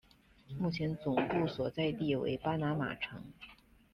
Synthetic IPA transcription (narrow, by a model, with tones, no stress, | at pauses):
mu˥˩t͡ɕʰjɛ˧˥nt͡sʊ˨˩ŋpu˥˩swɔ˨˩t͡sa˥˧ɪt̪i˥˩wḛ˧˥ɪpa˥na˧˥ma̰˨˩ʈ͡ʂʰɤ̰˧˥ŋ